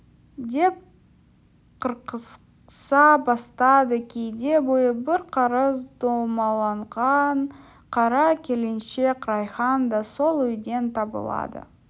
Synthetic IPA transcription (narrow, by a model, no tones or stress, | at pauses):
d̪e̞p̚ | qʰəɾqəs | sɑbɑst̪ɑd̪əkʲʰejd̪e̞bo̞jəbɪɾqʰɑɾəzd̪omɑlˠɑɴʁɑn | qʰɑɾɑkʲʰe̞lenʃe̞kɾɑjχɑnd̪ɑso̞lˠʏjd̪e̞nt̪ʰɑbə̰lˠɑ̰d̪ə̰